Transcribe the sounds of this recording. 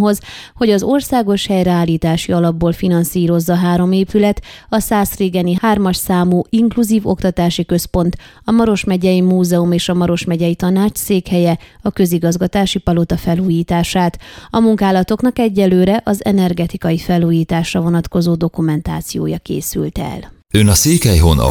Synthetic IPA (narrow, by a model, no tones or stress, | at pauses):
ɦo̞zho̞ɟɒzo̞rsaːɡo̞ʃhɛjɾɛaːlːiːt̪aːʃiɒlɒbːoːlfinɒnsiːɾo̞zːɒɦaːɾo̞meːpylɛt̪ɒsaːsreːɡɛnihaːrmɒʃsaːmuːʔiŋkluziːvo̞̰kt̪ɒt̪aːʃikø̞spo̞nt̪ | ɒmɒɾo̞ʃmɛɟɛjimuːzɛumeːʃɒmɒɾo̞ʃmɛɟɛjit̪ɒnaːt͡ʃseːkhɛjɛɒkø̞ziɡɒzɡɒt̪aːʃipɒlo̞t̪ɒfɛluːjiːt̪aːʃaːt̪ɒmuŋkaːlɒt̪o̞knɒkɛɟːɛlːøːɾɛʔɒzɛnɛrɡɛt̪ikɒjifɛlːuːjiːt̪aːʃrɒvo̞nɒt̪ko̞zoːd̪o̞kumɛnt̪a̰ːt̪sijo̰ːjɒkḛːsy̰lt̪ɛ̰l | ønɒseːkhɛjɦonɒ̰